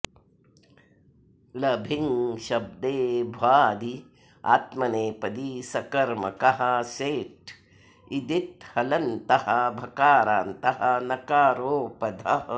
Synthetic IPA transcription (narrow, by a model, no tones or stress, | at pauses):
lɐbʱiŋʃɐb̚d̪eːbʱʋaːd̪i | a̰ːt̪mɐneːpɐd̪isɐkɐɾmɐ̰kɐɦɐ̆seːʈ | id̪it̪hɐlɐnt̪ɐhɐbʱɐkaːɾaːnt̪ɐɦɐnɐkaːɾoːpɐd̪ʱɐ